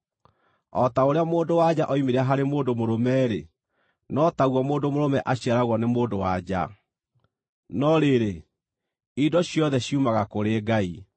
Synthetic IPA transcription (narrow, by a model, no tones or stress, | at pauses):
ɔtaoɾeamoːndowad͡ʑaʔɔimeɾaɦaɾemoːndomoɾomɛːɾe | nɔtaɣwɔmoːndomoɾomɛʔaɕiaɾaɣwɔnemoːndowa̰d͡ʑa̰ | nɔɾeɾe | idɔɕjɔðɛɕiumaɣakoɾeːɡai